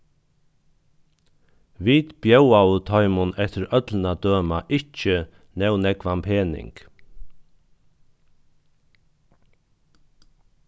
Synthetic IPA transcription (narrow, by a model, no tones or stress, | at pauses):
ʋiːt̪b̥jœwawt̪ʰɔʏmʊnɛt̪əɾœt̪lnad̪øːmaʔɪt͡ʃə | nɛwnɛkʋampʰeːnɪ̰ŋk